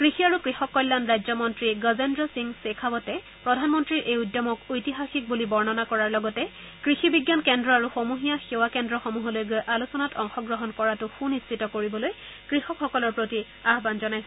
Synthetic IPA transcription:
kɹixiaɹukɹixɔkːɔjlːanɹajzɔmɔntɹiɡɔzendɹɔsiŋsekʰabɔtɛ | pɹɔdʱanmɔntɹiɹʔejudjɔmɔkojtiɦaxik̚bulibɔɹnɔnakɔɹaɹlɔɡɔtɛ | kɹixibiɡjankɛndɹɔaɹuxomuɦijaxewakɛndɹɔxɔmuɦɔlojɡojʔalusɔnatɔŋxɔɡɹɔɦɔnkɔɹatʊxunistitɔkoɹibɔloj | kɹixɔkxɔkɔlɔɹpɹoti | aɦbanzɔnajsɔ

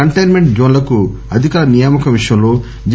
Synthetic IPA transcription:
ɐɳʈɐjnme̞ɳʈ̚d͡ʒoːnlɐkuɐd̪ʱikaːɾɐnijaːmɐkɐʋiʂjɐ̃mlo̞ː | d͡ʒ

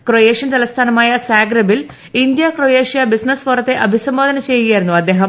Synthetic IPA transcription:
krojeːʂjɐnt̪ɐlɐst̪ʰaːnɐmaːjɐsaːɡɾɐbil | ind̪jɐkrojeːʂjɐbisnɐsfoɾɐt̪ːe̞ʔɐbʱisɐmboːd̪ʱɐnɐt͡ɕe̞juɣijaːjiɾunːuɐd̪ːe̞ːɦɐm

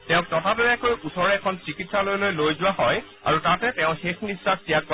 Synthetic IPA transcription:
tɛʊ̃k̚tɔtʰabɛbɛkojusɔɹɛːkʰɔnsikitsalojlojlojzʊwaɦɔj | a̰ɹutatɛtɛʊ̃xexnisɹak̚sijak̚kɔ

